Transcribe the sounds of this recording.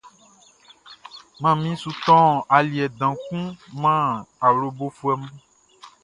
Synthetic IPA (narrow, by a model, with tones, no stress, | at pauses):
mã˦mĩ˦su˨t̪ɔ̃˦a˨li˨ɛ˨d̪ã˨kũ˦mã˦a˨wlo˨bo˦fu˦ɛ˦m̃˦